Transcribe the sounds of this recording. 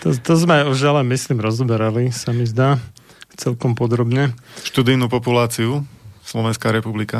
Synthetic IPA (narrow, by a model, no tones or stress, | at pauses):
t̪ɔt̪ɔzmɛajɔʒalɛmisliːmɾɔzɔbɛɾalisamizd̪aː | t͡sɛlkɔmpɔd̪ɾɔbɲɛʃt̪ud̪ijnuːpɔpulaːt͡siuslɔʋɛnskaɾɛpublika